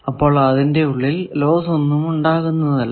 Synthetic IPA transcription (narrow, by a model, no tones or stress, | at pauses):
ɐpːo̞ːɭɐðinde̞uɭːillo̞ːso̞nːumuɳɖaːɣunːɐðɐlːɐ